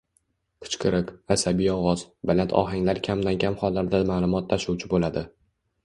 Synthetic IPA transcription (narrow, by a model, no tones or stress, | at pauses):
qʰʊ̥t͡ʃqʰɨɾɨqasabijɒwɒzbalant̪ʰɒ̰ɦaŋlaɾkʲʰamd̪ankʲʰamχɒlːaɾd̪amaːlˠʊmɒt̪ʰːaʃuwt͡ʃʰɪbolad̪ɪ